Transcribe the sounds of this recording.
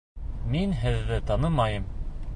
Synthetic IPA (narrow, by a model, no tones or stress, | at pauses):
minɦɘ̆ðːɘt̪ɑnɤmɑjɤm